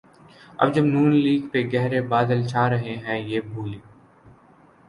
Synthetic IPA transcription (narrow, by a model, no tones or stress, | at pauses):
ɐ̰bd͡ʒəbnuːnliːɡpeɡɛɦɾebaːd̪əlt͡ʃʰaːɾəɦeɦɛ̃jeːbʱuːli